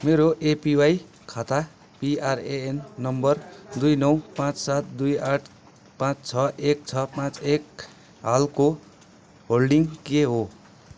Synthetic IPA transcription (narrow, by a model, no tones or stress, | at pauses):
meɾoʔepiwaj | kʰat̪a | piareenːʌmbʌrd̪ujnʌwpãt͡ssat̪̚d̪ujaʈʰ | pãt͡st͡sʰʌʔek̚t͡sʰʌpãt͡sek | ɦalko | ɦolɖiŋkeɦo